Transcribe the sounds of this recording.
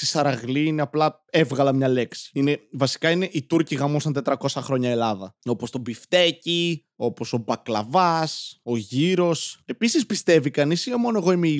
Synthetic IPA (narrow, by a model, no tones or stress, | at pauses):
isɐɾɐɣliineɐplɐ | evɣɐlɐmɲɐle̞ksi̥ine̞vɐsi̥kɐine̞ʔit̪uɾciɣɐmosɐnt̪e̞t̪ɾɐko̞sɐxɾo̞ɲɐe̞lɐðɐo̞po̞st̪o̞bift̪eci | o̞po̞so̞bɐklɐvɐso̞ʝiɾo̞se̞pisispist̪e̞vikɐnisiomo̞noe̞ɣo̞imei